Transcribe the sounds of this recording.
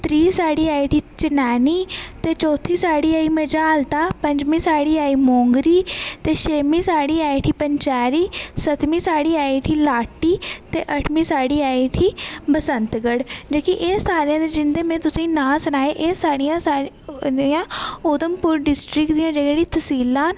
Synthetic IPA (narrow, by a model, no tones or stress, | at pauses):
t̪ɾiːsaːɽiːaːiʈʰiːt͡ʃɪnaːniːt̪eːt͡ʃɔːt̪ʰiːsaːɽiːaːiːməd͡ʒaːlt̪aːpəɲd͡ʒmĩːsaːɽiːaːiːmoːŋɡɾiːt̪eːʃeːmĩːsaːɽiːaːiʈʰiːpəɲt͡ʃaːɾiːsət̪mĩːsaːɽiːaːiːʈʰiːlaːʈːiːt̪eːʔəʈʰmĩːsaːɽiːaːiːʈʰiːbəsənt̪ɡəɽd͡ʒaːkiʔeːsːaːɾjãːd̪eːd͡ʒɪnd̪eːmɛ̃ːt̪ʊsĩːnãːsənaːeːʔeːsaːɽijãːsa | jãːʊd̪əmpʊɾɖɪsʈɾɪkd̪iːãːd͡ʒəɡeːɽiːt̪ʰəsiːlãːn